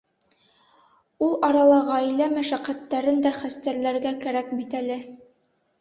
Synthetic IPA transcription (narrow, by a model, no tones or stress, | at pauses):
ulˠɑɾɑlˠɑʁɑjlæmæʃæqæt̪ːæɾɘnd̪æχæst̪æɾlæɾɡækæɾæk̚bit̪ælɘ